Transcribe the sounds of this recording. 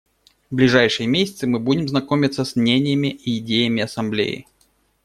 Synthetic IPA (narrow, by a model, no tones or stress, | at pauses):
vblʲɪʐajʂɨjəmʲesʲɪt̪sɨmɨbudʲɪmznɐkomʲɪt̪səsmnʲenʲɪjəmʲɪʔiːdʲejəmʲɪɐsɐmblʲḛjɪ̰